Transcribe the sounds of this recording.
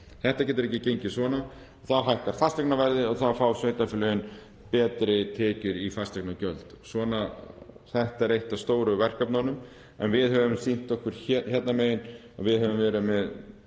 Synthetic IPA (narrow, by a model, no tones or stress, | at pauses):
θɛht̪acɛːt̪ʏɾɛhcːɪcejɲcɪsvɔːna | θaðɦajhk̪aɾ̥fast̪aknavɛɾðɪɔθaðfawsvejt̪afɪlœjʏn | pɛːt̪ɾɪt̪ʰɛːcʏɾifast̪aknacœlt̪svɔːnaθɛht̪aɛɾejht̪ast̪oːwɾʏvɛr̥kapnanʏm | ɛ̰nvɪðɦɛvʏmsin̥t̪ɔhkvʏɾ̥çɛt̪nameːjɪn | a̰vɪðhœvʏmvɛːɾʏmɛð